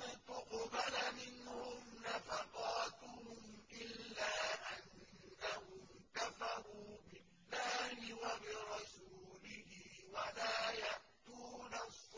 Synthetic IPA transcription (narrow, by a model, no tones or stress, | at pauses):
t̪ʊqbalamɪnhʊmnafaqɑːt̪ʊhʊmʔɪlːaːʔanːahʊmk̪afaɾuːbɪlːaːhɪwabɪɾˤɑsuːlɪhɪwalaːjaʔt̪uːnasˤː